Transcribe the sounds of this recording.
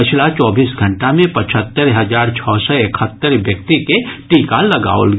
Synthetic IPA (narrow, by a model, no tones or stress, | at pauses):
pɪt͡ʃʰlat͡ʃɔːbiːsɡʱə̃ɳʈamẽpɐt͡ʃʰət̪ːəɾɦɐzaːɾt͡ʃʰɔːsɔekʰət̪ːəɾʋjək̚t̪ikeʈiːkalɐɡa̰ːolɡ